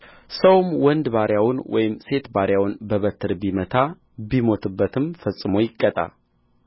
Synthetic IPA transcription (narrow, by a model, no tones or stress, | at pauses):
səwmwɔnd̪baɾjawʊnwɔ̰jɪmse̞t̪baɾjawnbəβət̪ʰːɨɾbimət̪ʰa | bimo̞t̪ʰɨbːət̪ʰɨmfəsʼːɨmo̞jɪkʼːət̪ʼa̰